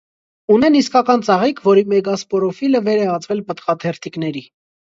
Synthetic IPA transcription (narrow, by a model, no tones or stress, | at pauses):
unɛniskɑkɑnt͡sɑʁikʰvɔɾimɛɡɑspɔɾɔfiləvɛɾɛɑt͡svɛlpət̪χɑt̪ʰɛɾt̪ʰiknɛɾi